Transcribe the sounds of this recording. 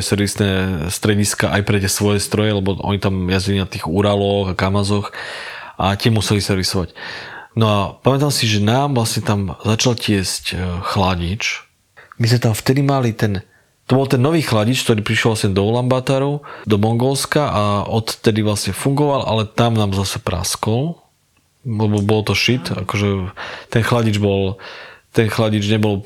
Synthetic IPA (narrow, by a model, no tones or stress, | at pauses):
ɛsɛɾʋisnɛst̪ɾɛɟiskaʔajpɾɛt̪ɪɛsʋɔjɛst̪ɾɔjɛlɛbɔʔɔ̰ɲit̪amjazɟilinat̪iːɣuɾalɔɣakamazɔxʔat̪ɪɛmusɛlisɛɾʋisɔʋacnɔapamɛt̪amsiʒɛnaːmvlasɲɛt̪amzat͡ʃalcɪɛscxlaɟit͡ʃ | mizmɛt̪amft̪ɛd̪imalit̪ɛn | t̪ɔbɔlt̪ɛnːɔʋiːxlaɟit͡ʃk̚t̪ɔɾiːpɾiʃjɛlʋlasɲɛd̪ɔlambat̪aɾud̪ɔmɔŋɡɔlskaʔaɔt̪t̪ɛd̪iʋlasɲɛfuŋɡɔʋalʔa̰lɛt̪amnaːmzasɛpɾa̰skɔl | alɛbɔbɔlt̪ɔʃit̪a̰kɔʒɛt̪ɛnxlaɟid͡ʒbɔlt̪ɛnxlaɟid͡ʒɲɛbɔl